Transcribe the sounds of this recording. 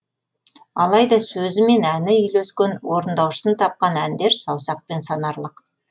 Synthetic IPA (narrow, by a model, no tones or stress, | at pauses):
ɑlˠɑjd̪ɑsɵzɪme̞nænɪʏjlɵskʲenwoɾənd̪ɑwʃə̥sənt̪ʰɑp̚qɑnænd̪e̞ɾsɑwsɑq̚pe̞nsɑnɑɾlˠəq